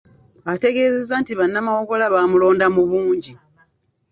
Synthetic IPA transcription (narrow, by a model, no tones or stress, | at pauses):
ate̞ɡe̞ːze̞zaːntiβanːamawo̞ɡo̞laβamulo̞ːndamuβuːɲɟi